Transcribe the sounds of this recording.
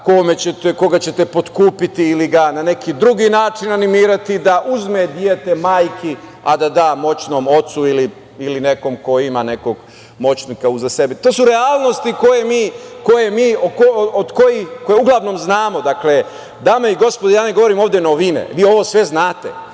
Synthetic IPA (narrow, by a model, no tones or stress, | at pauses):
komet͡ɕet̪eko̞ɡat͡ɕe̞t̪epo̞t̪kuːpit̪iːliɡanane̞kid̪ɾuɡiːnaːt͡ʃinanimiːɾat̪id̪aʔuzme̞d̪jet̪e̞maːjkia̰d̪ad̪aːmo̞t͡ɕno̞ːmo̞t̪suili | iline̞ko̞mko̞imane̞ko̞ɡ | mo̞t͡ɕnikauzase̞bit̪o̞ːsuɾeaːlˠno̞st̪iko̞je̞miːko̞je̞miːokood̪ko̞jixko̞jeuɡlˠaʋno̞ːmznaːmo̞d̪akle | d̪aːmeiɡo̞spod̪ajaːneɡo̞ʋo̞ɾiːmo̞ːʋd̪enoʋinḛʋiːo̞ʋo̞ːsʋe̞znaːt̪e̞̰